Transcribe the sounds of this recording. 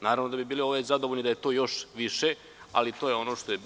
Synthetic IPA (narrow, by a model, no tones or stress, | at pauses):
naːɾaʋno̞d̪abibiːlio̞ʋezad̪ooʎnid̪ajet̪o̞ːjo̞ʃʋiʃe | a̰lit̪ojeo̞no̞ʂt̪o̞je